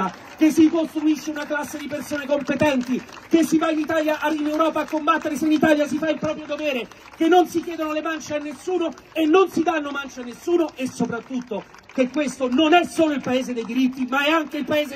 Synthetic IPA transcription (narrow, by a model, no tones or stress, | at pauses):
a | kesːikost̪ɾuisːeunaklasːed̪ipersoːnekompet̪ɛnt̪i | kesːivainit̪aːljaʔainewɾɔːpaːkːombat̪ːeɾeseinit̪aljasifailpɾɔːpɾjod̪oveːɾe | kenːonsikjɛːd̪onolemant͡ʃeanːesːuːnoenːonsid̪anːomant͡ʃeanːesːuːnoʔesːopɾat̪ːut̪ːo | k̟ekwest̪ononɛsoːloilpaeːzed̪ejd̪iɾit̪ːimaɛaŋkeilpaeːze